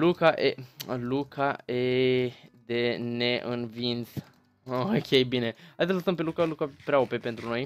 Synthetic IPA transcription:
lukaʔelukʰae | d̪e̞neʔɨnvint̪s | okʲe̞jbinehaj̪sələsəmpelukalukapɾeaopepe̞nt̪ɾuno̞j

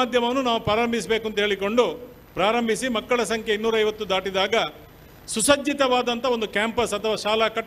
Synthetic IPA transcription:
aːd̪ʱjɐmɐnːunaːʋupɾaːɾɐmbʱisɐbeːkunt̪ɐɦeːɭiko̞ɳɖu | pɾaːɾɐmbʱisimɐkːɐɭɐsɐŋkʰjeinːuːɾɐjʋɐt̪ːud̪aːʈid̪aːɡɐ | susɐd͡ʒit̪ɐʋaːd̪ɐnt̪ɐo̞nd̪ukjaːmpɐsɐt̪ʰɐʋaːʃaːlakɐʈ

